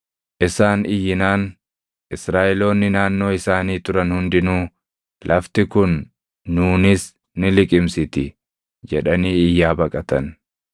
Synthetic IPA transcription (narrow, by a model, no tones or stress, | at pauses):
ʔɪsaːnʔɪjːɪnaːn | ʔɪsɾaːʔɛlo̞ːnːɪnaːnːo̞ːɪsaːniːt̪ʊɾɐnhʊnd̪ɪnuː | lʔɐft̪ɪkʊnː | uːnɪs | nɪlɪkʼɪmsɪt̪ɪ | d͡ʒɛᶑɐniːɪjːaːbɐkʼɐt̪ɐn